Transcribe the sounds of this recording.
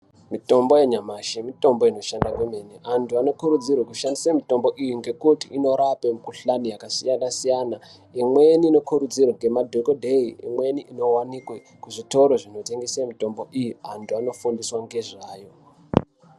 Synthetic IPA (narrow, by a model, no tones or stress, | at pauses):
mito̞mbo̞je̞ɲamaʃimito̞mbo̞ino̞ʃandakwemeneʔantʰuano̞kuɾud͡zirwekuʃandisamito̞mbo̞ʔijiŋɡe̞kutiʔino̞ɾapemukuɬanijakasijanasijana | imweniːno̞kuɾud͡zirwaŋɡe̞madʱokodʱeiḭmwe̞niʔino̞wanikwe | kuʐito̞ɾo̞ʐino̞te̞ŋɡesamito̞mbo̞ʔijiantʰuano̞fundiswaŋɡe̞ʐaːjo̞